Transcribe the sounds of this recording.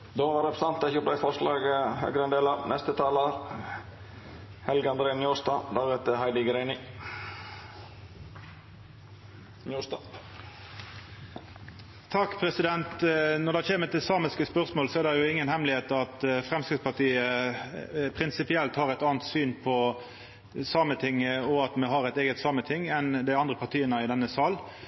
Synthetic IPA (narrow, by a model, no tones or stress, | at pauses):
d̪ɔʋɑɾɛpsɑnt̪ɪçəplæɪfɔʂlɑːɡəhœ̰ːɡɾəɛnd̪eːlɑʋnʔɛst̪ət̪ʰɑːlɑɾ | hɛlɡɑnd̪ɾeːnjuːst̪ɑd̪æʁʉt̪əhæɪd̪ɪɡɾæɪnɪ | njuːst̪ɑː | t̪ʰɑkːpʰʁɛsɪd̪ɛnt̪nɔʁd̪ɑçeːmət̪ɪsɑːməskəspœʁsmoːlsɔɛd̪ɛjʊɪŋːənhɛmlɪheːt̪ɑt̪fʁɛmskɪɡspɑʁt̪ʰiːə | pʰʁɪnsɪpɪɛlt̪hɑːʁæt̪ɑːnt̪syːnpʰɔ | sɑmət̪ʰɪŋɔɑt̪mɛɦɑʁɛɪt̪eːɡət̪sɑmət̪ʰɪŋːɛnd̪ɪɑnd̪ʁəpɑʁt̪ʰiːənəɪd̪ɛnːəsɑːl